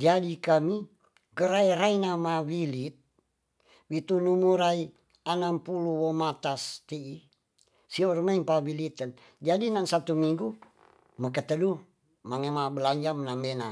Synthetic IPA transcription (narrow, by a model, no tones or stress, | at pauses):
d͡ʒadikami | ɡəɾaiɾainamawilit̪̚ | wit̪unumuɾai | anampuluwomat̪ast̪ii | siormaimpawilit̪ən | d͡ʒadinansat̪umiŋɡu | məkət̪ədu | maŋemabəlaɲd͡ʒamənambena